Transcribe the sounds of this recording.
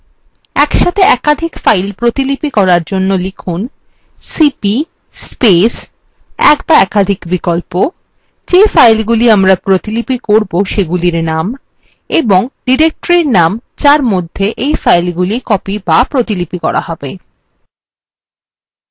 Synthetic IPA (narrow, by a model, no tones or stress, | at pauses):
ɛkʃat̪ʰeɛkad̪ʱikfajlpɾot̪ilipikɔɾaɾd͡ʑonːolikʰun | sipi | spes | ɛ̰kbaɛkad̪ʱikbikolpo | d͡ʑefajlɡuliamɾapɾot̪ilipikoɾboʃeɡuliɾnam | eboŋɖiɾek̚ʈoɾiɾnamt͡ɕaɾmod̪ʱːeʔejfajlɡulikɔpibapɾot̪ilipikɔ̰ɾʔa̰hɔbe